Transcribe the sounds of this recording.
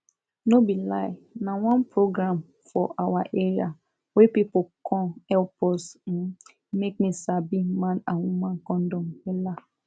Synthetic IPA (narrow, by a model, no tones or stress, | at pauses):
nobilaɪnawãnpʰɹoɡɹãm | fɔʔawaʔeɹia | wɛpipokʰɔ̃ɛlpʰɔs̩ | mek̚misabimãnãwumãnkɔ̃ndɔ̃mwɛla